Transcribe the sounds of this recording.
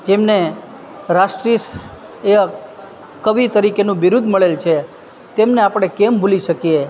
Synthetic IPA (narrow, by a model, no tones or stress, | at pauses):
d͡ʒemne | ɾaʃʈɾis | eə | kəʋit̪əɾikenũʋiɾud̪ʱməɭelt͡ʃʰe | t̪emneapəɽ̃ekembʱuliʃəkije